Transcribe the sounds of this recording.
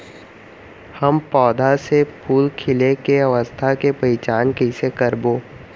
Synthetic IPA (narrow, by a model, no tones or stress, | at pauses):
həmpɔːd̪ʱasepʰuːlkʰɪlekeɐʋəst̪ʰakepɐɾɪt͡ʃaːnkɛsekəɾboː